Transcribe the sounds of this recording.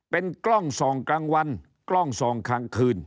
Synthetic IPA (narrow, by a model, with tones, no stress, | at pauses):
pe˧nklɔ˥˩ŋsɔː˩˦ŋklaː˧ŋwa˧n | klɔ˥˩ŋsɔː˩˦ŋkʰaː˨˧˥ŋkʰɯː˧˩n